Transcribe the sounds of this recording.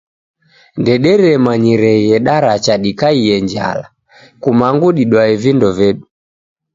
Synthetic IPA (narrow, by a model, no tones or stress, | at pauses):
ndɛɗɛɾɛmaɲiɾɛjɛɗaɾat͡ʃaɗikaiɛɲd͡ʒa̰la̰ | kumaŋɡuɗiɗwaɛvindɔvɛɗu